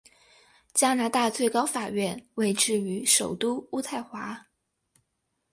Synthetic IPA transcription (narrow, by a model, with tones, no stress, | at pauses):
t͡ɕja˥na˧˥t̪a˥˧t͡swe˥˩ɪkɑ˥ʊfa˨˩ɥɛ˥˧nwe˥˧ɪʈ͡ʂɻ̩˥˩y˧˥ʂo˨˩ʊt̪u˥u˥t̪ʰa˥˩ɪxwa˧˥